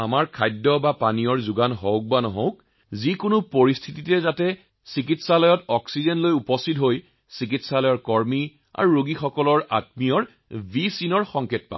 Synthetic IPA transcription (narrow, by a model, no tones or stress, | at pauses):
amaɹkʰajdːɔbapanijɔɹzuɡanɦowk̚banɔɦõʊk | zikʊnʊpoɹistʰititɛzatɛ | sikitsalɔjɔtɔksizenlojupɔstitɦoj | sik̬itsalɔjɔɹkɔɹmi | a̰ɹuɹoɡixɔkɔlɔɹa̰t̚mijɔɹ | bʱisinɔɹxɔŋkʰet̚pa̰